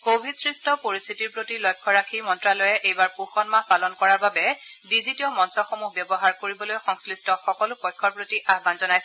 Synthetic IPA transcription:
kobʱidsɹistɔpoɹist̪ʰitiɹpɹotilɔjkʰːɔɹakʰimɔntɹalɔjɛʔejbaɹpuxɔnmapalɔnkɔɹaɹbabɛ | dizitiɔmɔnsɔxomuɦbɛbɔɦaɹkoɹibɔlojxɔŋslistɔxɔkɔlʊpɔjkʰːɔɹpɹotiʔaɦbanzɔnajsɛ

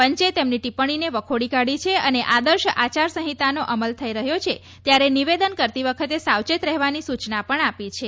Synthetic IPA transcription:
pəɲt͡ʃet̪emniʈipəɳ̃ineʋəkʰoɽikaɽit͡ʃʰeəneʔad̪əɾʃʔat͡ʃaɾsə̃ɦit̪anoʔəməlt̪ʰəiɾəɦjot͡ʃʰe | t̪jaɾeniʋed̪ənkəɾt̪iʋəkʰət̪esawt͡ʃet̪ɾɛɦʋanisut͡ʃnapəɳapit͡ʃʰe

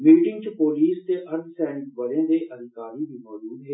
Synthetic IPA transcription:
miːʈɪ̃ŋɡ̚t͡ʃəpoːliːst̪eʔɐɾd̪sɛːnɪkʋəlẽd̪eːʔəd̪ʱɪkaːɾid̪iːmɔːd͡ʒuːd̪ɦeː

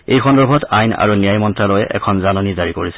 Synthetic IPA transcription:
ejxɔndɔɹbʱɔtajna̰ɹunijajmɔntɹalojɛ̰ʔɛ̰kʰɔnzanɔnizaɹikoɹisɛ̥

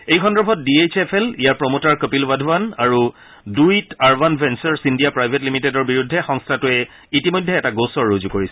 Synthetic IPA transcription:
ejkʰɔndɹɔbʰʱɔt̚diejt͡ʃʰepʰɛlijaɹpɹɔmotaɹkopilbadʱuwanaɹu | duijtaɹbanbʱɛnsɔɹsindijapɹajbʱetlimitedɔɹbiɹudʱːɛxɔŋstʰatʊɛ | itimojdʱːɛɛtaɡosɔɹːozukoɹisɛ

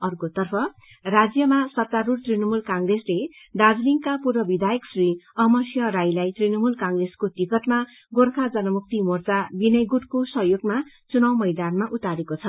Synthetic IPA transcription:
ʌrkot̪ʌrpʰʌ | rad͡zjʌmasʌt̪aɾurt̪rinʌmulkãŋɡresleɖ̪ad͡zliŋkapurbʌbid̪ʱajʌksriʌɦmʌsjʌɾajlajt̪rinʌmulkãŋɡreskot̪ikʌt̪ma | ɡorkʰad͡zʌnʌmuk̚t̪imort͡sabinʌjɡuʈkosʌɦjoɡma | t͡sunawmʌjd̪anmaʔut̪aɾekot͡sʰʌ

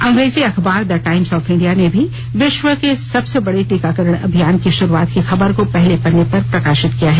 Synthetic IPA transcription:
ɐ̃ŋɡɾeːziɐxbaːɾd̪ɐʈaːɪmsɔːfɪ̃ɳɖijanebʱi | ʋɪʃʋəkesɐbsebɐɽeʈiːkakɐɾəɽ̃ɐ̰bʱijaːnkiʃʊɾuaːt̪kixɐbəɾkopɛɦlepɐnːepɐɾpɾɐkaːʃɪt̪kijaɦɛː

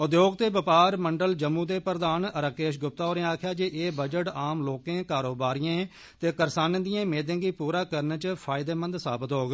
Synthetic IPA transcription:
ʊd̪joːɡ̚t̪eːʋəpaːɾməɳɖəld͡ʒəmːũːd̪eːpɾəd̪aːnəɾaːkeːʃɡʊp̚t̪aːɦoːɾẽːaːkʰjaːd͡ʒeʔeːbəd͡ʒəʈaːmloːkẽːkaːɾoːbaːɾijãː | t̪eːkəɾsaːnd̪ɪjãːmeːd̪ẽːɡiːpuːɾaːkəɾnt͡ʃpʰaːɪd̪eːmə̃nd̪saːbət̪ɦoːɡ

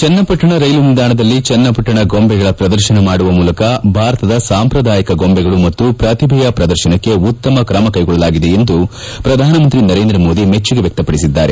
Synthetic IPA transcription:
t͡ʃɐnːɐpɐʈːɐɳɐɾɐjlumild̪aːɳɐd̪ɐlːit͡ʃɛnːɐpɐʈːɐɳɐɡombɛɡɐɭɐpɾɐd̪ɐɾʃɐnɐmaːɽuʋɐmuːlɐkɐbʱaːɾɐt̪ɐd̪ɐsaːmpɾɐd̪ʱaːjɐkɐɡombɛɡɐɭumɐt̪ːupɾɐt̪ibʱijɐpɾɐd̪ɐɾʃɐnɐkːe̞ut̪ːɐmɐkɾɐmɐkɐjɡɔɭːɐlaːɡid̪e̞ːnd̪u | pɾɐd̪ʱaːnɐmɐnt̪ɾinɐɾe̞ːnd̪ɾɐmo̞ːd̪imet͡ʃːuɡe̞ʋjɐk̚t̪ɐpɐɽisid̪ːaːɾe̞

